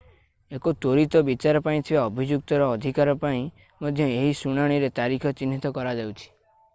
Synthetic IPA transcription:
ekot̪oɾit̪ɔbit͡ʃaɾɔpaĩt̪ʰibaɔbʱid͡ʒuk̚t̪ɔɾɔːd̪ʱikaɾɔpaĩ | mɔd̪ʱjɔeɦisuɽ̃aɽ̃iɾet̪aɾikʰɔt͡ʃinːit̪ɔkɔɾad͡ʒawt͡ʃʰi̥

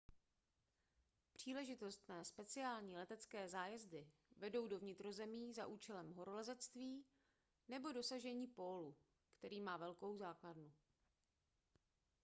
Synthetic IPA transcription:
pr̝̥iːlɛʒɪt̪o̞st̪nɛːspɛt͡sɪaːlɲiːlɛt̪ɛt͡skɛːzaːjɛzdɪvɛdo̞wdo̞vɲɪt̪ɾo̞zɛmiːzaʔuːt͡ʃɛlɛmɦo̞ɾolɛzɛt͡st̪viː | nɛbo̞do̞saʒɛɲiːpo̞ːlu | kt̪ɛɾiːmaːvɛlko̞wzaːkladnu

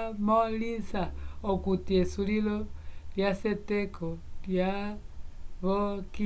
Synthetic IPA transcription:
molisaokutiesulilɔljasetɛkʰɔja | βoki

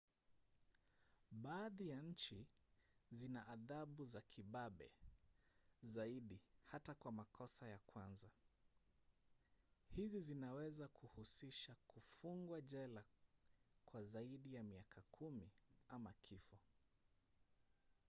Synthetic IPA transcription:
ɓaːðijaɲ̩t͡ʃi | zinaʔːðaɓuzakʰiɓaɓɛ̰ | zaiɗihatakwamakʰɔsajakwanza | hizizinawɛzakʰuhusiʃakufuŋɡwaʄɛla | kwazaiɗijamiakʰakʰumiamakʰifɔ

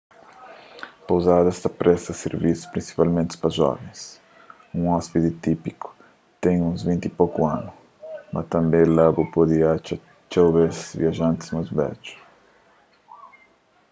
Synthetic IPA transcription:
powzad̪ɐɛst̪ɐpɾɛsɐseɾvisʊ̥pɾĩnsi̥palmẽnt̪ɪ̥pɾɐʒɔ̰vẽj̃s | ũŋɔspit̪ɪt̪ipikʊ̥ | t̪ẽŋũzvĩnt̪ipokʊãnʊ | mʔɐ̰t̪ɐ̃mbẽlabʊpod̪iat͡ʃa | t͡ʃowβezviaʒãnt̪ɪ̥zmazbɛ̰d͡ʒʊ̥

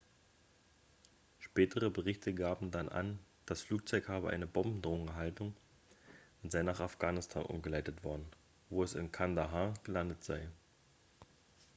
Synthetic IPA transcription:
ʃpɛːtʰəʁəbəʁɪçtəɡaːbm̩danʔa̰nd̥asfluːk̚t͡sɔʏkhaːbəʔa̰ɪnəbɔmbm̩dʁoːŋɛɦaltʊŋ | ʔʊntz̥aɪnaːχafɡ̥aːnɪstʰa̰ːnʔʊ̰mɡəlaɪtətv̥ɔɐdn̩ | voːɛsɪ̰nkʰandaɦaːɡ̥əlandətz̥aɪ

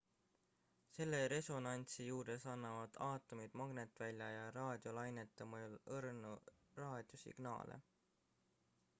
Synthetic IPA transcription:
se̞lːe̞ɾe̞so̞nɑnʲt̪sijuːɾe̞sɑnːɑvɑd̪̥ɑːt̪ːˑomid̪̥mɑɡ̥ne̞t̪ːˑvælʲjɑjɑɾɑːd̪̥ʲjo̞lɑjnet̪ːˑemojulɤrnurɑːd̪̥ʲjo̞sḭɡ̥nɑ̰ːlḛ

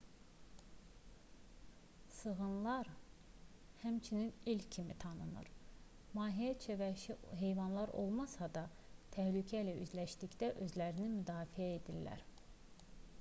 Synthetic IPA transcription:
sɯɣɯnlˠɑɾ | hæmt͡ʃʰininilʲcʰimit̪ʰɑnɯnɯ̰ɾ | mɑːɦijæt͡ʃʰevæʃiɦe̞jvɑnlˠɑɾo̞̰lˠmɑsɑd̪ɑ | t̪ʰæhlycʰæilæy̰zlæʃd̪icd̪æʔø̞zlæɾinimyd̪ɑːfiæed̪ilːæ̰ɾ

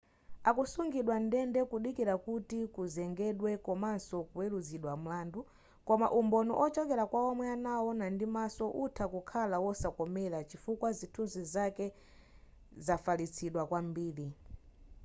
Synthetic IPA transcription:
akusuŋɡiɗwandɛndɛkuɗikiɾakutikuzɛŋɡɛɗwɛkɔmansɔkuwɛluziɗwam̩laːndu | kɔmaʔumbɔnɔ̰ʔɔt͡ʃɔkɛɾakwaɔmwɛanaɔnandimasɔʔutʰakukʰalawɔsakɔmɛɾat͡ʃifukwazitʰunzizakɛ | zafalit͡sʰiɗwakwambiːɾi

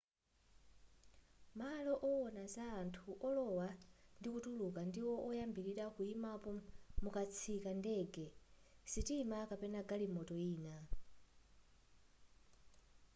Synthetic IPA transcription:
malɔʔɔwɔnazaːntʰuʔɔlɔwandikutulukandiwɔʔɔjambiɾiɾakuimapɔmukat͡sʰikandɛɡɛsitimakapɛnaɡalimɔtɔiːna

